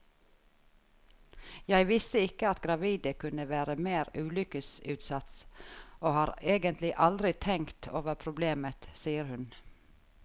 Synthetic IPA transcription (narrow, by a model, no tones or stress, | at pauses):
jæɪʋɪst̪əɪkəɑt̪ɡɾɑʋiːd̪əkʰʉnəʋæːɾəmeːɾʉːlʏkəsʉːt̪sɑt̪sʔoːhɑːɾeːɡənt̪ʰlɪʔɑld̪ɾɪt̪ʰɛŋkt̪ʰoːʋəpʰɾʊbleːmət̪siːəɾhʉn